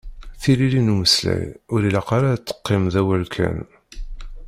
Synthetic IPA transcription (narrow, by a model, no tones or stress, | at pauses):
θililinuməslæ̰jʊɾilɑqaɾat͡s̪ːə̥qːɪmðæwælkʰæ̰n